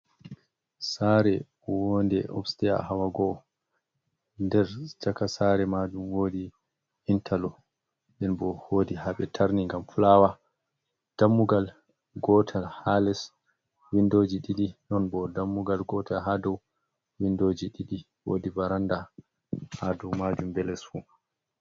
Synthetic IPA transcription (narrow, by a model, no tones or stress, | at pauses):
saɾɛ | wɔndɛʔɔ̰bstɛja̰hawaɡɔ | ndɛɾd͡ʒakasaɾɛmadumwoːdi | intʰalɔ | ɓɛnbɔhodihaɓɛtʰaɾniŋɡamfulawa | d̥amːuɡal | ɡɔtʰahalɛs | windod͡ʒiɗiɗinɔnbɔdamːuɡalɡɔtaɦadɔw | windod͡ʒiɗiɗi | wo̰dibaɾanda | hadɔmad͡ʒumbɛlɛsfu